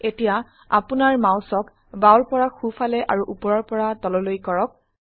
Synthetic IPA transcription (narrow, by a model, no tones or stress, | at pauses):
etija | a̰punaɹmãw̃sɔk | bawɹpɔɹaxufʰalɛʔaɹuʔupɔɹɔɹpɔɹatɔlɔlojkɔɹɔk̚